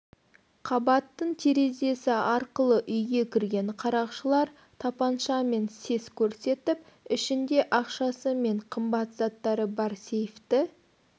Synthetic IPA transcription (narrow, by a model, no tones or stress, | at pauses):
qʰɑbɑt̪ːəɴt̪ʰeɾe̞ze̞sɪɑɾqəlˠəʔʏjɡʲe̞kʲʰɪɾɡʲe̞ɴqʰɑɾɑqʃəlˠɑɾ | t̪ʰɑpɑnʃɑme̞nse̞skʲʰɵɾse̞t̪ɪp̚ | ɪʃɪnd̪e̞ʔɑqʃɑsəme̞ɴqʰəmbɑt̪zɑt̪ːɑɾəbɑɾsejft̪ɪ